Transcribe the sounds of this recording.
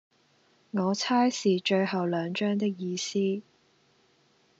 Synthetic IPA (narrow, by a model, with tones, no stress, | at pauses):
ŋɔː˨˧t͡sʰaː˥jsiː˨t͡ʃɵ˧ɥhɐ˨wlœː˨˧ŋt͡ʃœː˥ŋt̪ɪ˥k̚jiː˧siː˥